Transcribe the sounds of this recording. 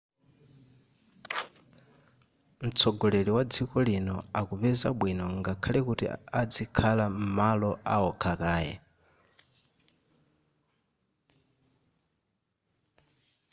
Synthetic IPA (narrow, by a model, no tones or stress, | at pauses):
m̩t͡sʰɔɡɔleliwad͡zikɔlinɔakuβɛzaɓwinɔŋɡakʰalɛkutḭad͡zikʰalam̩malɔaɔkʰakaːjɛ̰